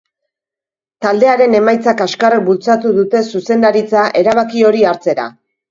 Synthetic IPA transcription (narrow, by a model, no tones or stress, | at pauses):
t̪ald̪e̞aɾe̞ne̞majt͡sakaskarek̚bult͡sat̪uðut̪e̞suse̞nd̪aɾit͡saʔe̞ɾaβakio̞ɾiaɾt͡se̞ɾa̰